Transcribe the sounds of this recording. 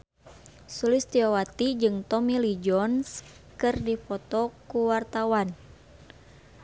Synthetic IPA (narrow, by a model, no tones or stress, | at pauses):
sulɪst̪iɔwat̪id͡ʒɨŋt̪ɔmilid͡ʒɔnskɨrdifɔt̪ɔkuwart̪awan